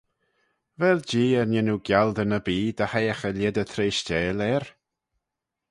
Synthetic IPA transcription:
vɛld͡ʒiːəɾnɪnuɡjald̪ənəbiːd̪əhajəxəlɪd̪ət̪ʰɾeːʃt͡ʃɛːlɛɾ

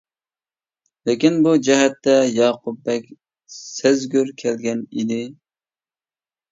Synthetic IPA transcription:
lekʲinbud͡ʒɛɦɛt̪ːɛjɑːqʰub̚ːɛkʲ | sɪzɡʲyɾkʲʰɛlɡʲɛnid̪ɪ

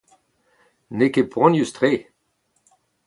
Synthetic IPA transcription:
nekepʁɔ̃njyst̪ʁe

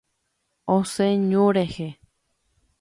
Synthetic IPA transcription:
osẽɲõɾehe

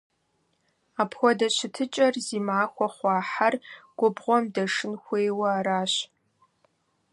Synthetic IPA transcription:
aːpʰxʷɔdɐɕɪtʰɨt͡ʃʼɐrziːmaːxʷɔχʷɑːħarɡ̥ʷʊbʁʷɔmdɐʂɨnxʷeːwɐaɾaːɕ

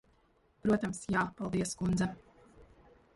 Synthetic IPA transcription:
pɾuɔt̪amsjaːpalˠd̪iɛskund̪za

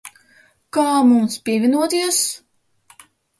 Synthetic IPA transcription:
kaːmumspʲiɛvʲinuɔt̪iɛs

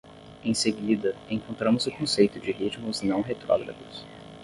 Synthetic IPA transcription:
ẽj̃seɡid̪ɐẽkõnt̪ɾɐ̃mʊzʊkõsejt̪ʊd͡ʒɪɦit͡ʃmʊznɐ̃w̃ɦet̪ɾɔ̰ɡɾɐ̰ɡ̪ʊs

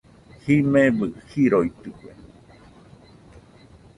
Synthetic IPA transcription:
himẽβɨhiɾoit̪ɨkʷe

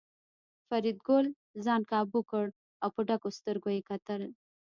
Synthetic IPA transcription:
faɾid̪̚ɡol | zɑnkɑbukəɽ | awpəɖakost̪əɾɡojekat̪əl

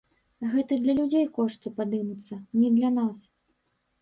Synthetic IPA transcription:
ɣɛt̪ɨd̪lʲɐlʲud͡zʲejkɔʂt̪ɨpad̪ɨmut̪sːɐnʲɛd̪lʲɐnas

